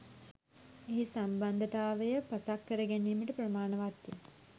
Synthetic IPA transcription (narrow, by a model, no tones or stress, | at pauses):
eɦisamband̪ət̪aːʋəjəpasakːəɾəɡæniːməʈəpɾəmaːnəʋat̪jə